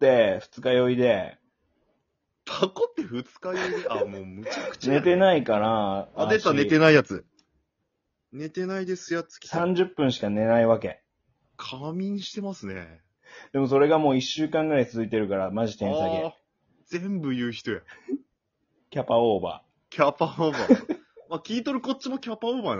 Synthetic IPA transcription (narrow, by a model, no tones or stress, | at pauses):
t̪ːe̞ɸɯ̟̥t͡sɨ̥kajo̞id̪e̞ | t̪ʰakot̪ːe̞ɸɯ̟t͡sɨ̥kajoiamoːmɯ̟t͡ɕakɯ̟̥t͡ɕne̞t̪e̞naikaɾaaet̪ːanet̪enaijat͡sɨ | ne̞t̪e̞naid̪e̞sɨjat͡sɨ̥kʲi̥sãɲ̟d͡ʑɨpːɯ̟̃ɰ̃ɕi̥kane̞naiβake̞̰ | kʰamʲĩɲ̃ɕi̥t̪e̞masɨnḛ | d̪̥e̞mo̞so̞ɾe̞ɡamo̞ːiɕːɨːkãŋɡɯ̟ɾait͡sɨzɨit̪e̞ɾɯ̟kaɾamaʑit̪ẽ̞saɡe | z̥ẽ̞mbɯ̟jɯ̟ːçi̥t̪o̞ja | kʲapaoːba̰ | kʲapaoːbamakʲiːt̪o̞ɾɯ̟ko̞t͡ɕːimokʲapaoːban